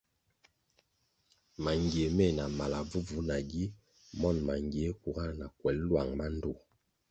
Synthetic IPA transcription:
ma˨ŋɡe˨mɛ˦˨na˨ma˨la˨vu˦vu˨˦na˨ɡi˦ | mɔ˦˨nma˨ŋ˨ɡje˨˦ku˨ɣa˦na˨kwɛ˨llwa˨ŋba˦n˦do˨

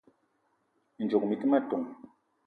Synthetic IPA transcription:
n̩˨d͡ʒo˨kmi˨ti˦ma˦tu˨ŋ

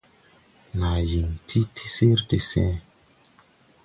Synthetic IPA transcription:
na˨ji˨ntʰi˦tʰi̥˦se˦ɾde˨sɛ̰̃˦

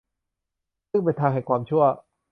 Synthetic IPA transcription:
ɯ˥˩ŋpa˧jt̪ʰaː˧ŋɦa˨˩kwaː˧mt͡ɕʰu˥˩ɐ

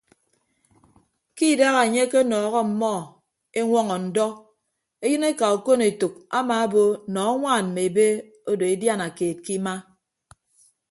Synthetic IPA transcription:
ki˦˨da˦ɣa˨e˨ɲe˦ke˦nɔː˨ɣɔ˦m̩˨mɔ˦˨ | e˦ŋʷɔ˦ŋɔ˨n̩˨dɔ˦ | e˦jɨ˦ne˦ka˨o˨ko˦ne˨tu˨k̚a˦ma˨a˦bo˦nɔ˨˦a˦ŋʷaː˦˨n̩˨me˨e˨be˦ | o˦do˨e˦dja˦na˨keː˨t̚ki˦ma˦

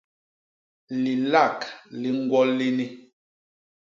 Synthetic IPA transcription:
li˨la˦˨kli˨ŋ̩˦ɡwɔ˦lːi˦ni˦

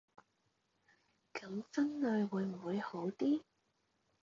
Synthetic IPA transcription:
kɐ˨˥ŋfɐ˥nlɵ˨˧ɥwuː˨˧˥jm̩˨˩wuː˨˧jho˨˥wt̪iː˥

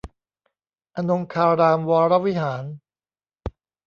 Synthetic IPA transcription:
ʔa˧no˧ŋkʰaː˧ɾaː˧mwaː˧ɾa˦˥wi˦˥ɦaː˩˦n

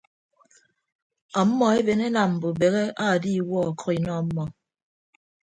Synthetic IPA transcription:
ɔ˨m̩˦mɔ˦e˦be˨ne˦na˨m̩˨bo˨be˨ɣe˦ʔa˦˨di˦˨wɔ˦˨kʰi˨nɔ˦˨m̩˦mɔ˨

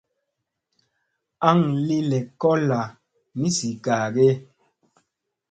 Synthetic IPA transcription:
a˦ŋli˦lɛ˨kɔ˦la˨ | mi˦si˨ka˨ɡe˦

